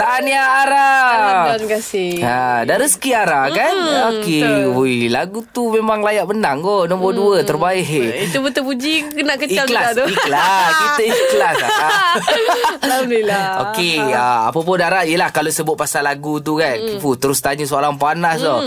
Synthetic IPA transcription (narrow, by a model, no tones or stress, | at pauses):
t̪aniaːɾaankasɪadaɾəsə̥kiaɾakanokeoilaɡut̪umemaŋlajaʔbənaŋɡonɔmbɔduət̪ərbaɪit̪ubut̪əpud͡ʒikənaʔkəialaadoiklakit̪əiklasaa | lamnilao̰keəa̰pəp̬ʊndaɾaijəlahkalosəbʊt̪̚pasalaɡut̪̬ukankifut̪əɾʊst̪aɲusooɾaŋpanast̪o